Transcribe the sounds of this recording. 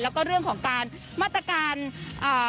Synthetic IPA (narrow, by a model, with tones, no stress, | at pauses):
lɛː˦˥wkɔː˥˩ɾɯ˥˩əŋkʰɔː˩˦ŋkaː˧n | maː˥˩t̪̚ːɾa˧kaː˧nʔɤː˨˩